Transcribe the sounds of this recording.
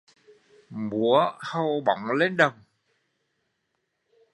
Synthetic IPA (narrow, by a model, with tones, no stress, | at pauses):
mu˨˦əhə˧˩wɓɔ̰˨wŋ͡mle˧nɗə˨˩wŋ͡m